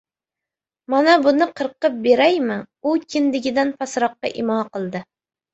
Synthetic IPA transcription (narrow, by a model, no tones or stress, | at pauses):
mɑnabʊnɪqʰɨɾqːɨp̚beɾæjmɪukʲʰɪnd̪ɪɡʲɪd̪anpʰɑsɾɑqːɑ̰ʔɪmɑːqəlˠd̪ɪ